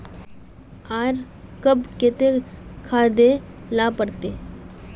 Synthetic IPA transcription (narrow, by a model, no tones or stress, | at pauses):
aːɾ | kəbket̪ekʰaːd̪e | lapəɾt̪eː